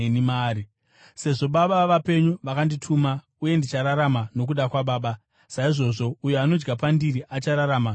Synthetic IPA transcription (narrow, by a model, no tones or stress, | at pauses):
nimaːɾi | se̞ʐo̞ɓaɓaʋape̞ɲuʋakanditʰuːma | uje̞ndit͡ʃaɾaɾamano̞k̬uɗakwaɓaːɓa | saiʐo̞ːʐo̞ujeano̞d͡ʒɡapandiɾiʔat͡ʃaɾaɾaːma